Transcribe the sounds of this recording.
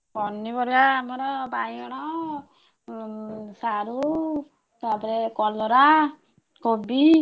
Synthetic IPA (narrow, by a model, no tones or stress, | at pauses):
kɔnːipɔɾbaːmɔɾɔbajɔɽ̃ɔ | saɾu | t̪apɔɾekɔlɔɾa | kobi